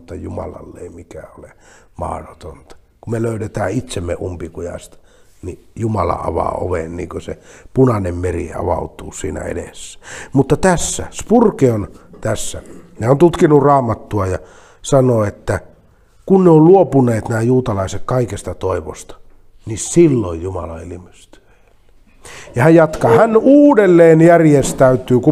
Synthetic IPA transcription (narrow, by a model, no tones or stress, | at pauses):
t̪ːɑjumɑ̰lɑ̰lːeˑimikæolemɑ̰hrot̪ont̪ɑ̥ | kumeløˑyɾet̪æːit̪semːḛʔumpikujɑ̰st̪ | nijumɑlɑ̰ʔɑ̰ʋɑ̰o̰ʋḛnniːŋkøsepunɑnemmerḭɑ̰ʋɑ̰ut̪uːsḭːnæ̰ḛdḛsːæ̥mut̪ːɑt̪æsːæ̰spurkeont̪æsːæneont̪ut̪kinurɑːmɑt̪ːuɑjɑ | sɑnoːet̪ːæ | kunneolluopuneːt̪næːjuːt̪ɑlɑisekkɑikest̪ɑt̪oiʋo̰st̪ɑ̥ | nisilːojjumɑ̰lɑ̰ilimest̪y̥e̥ | l | jɑhæjjɑt̪kɑːhænuːdelːeːnjærjest̪æyt̪yːku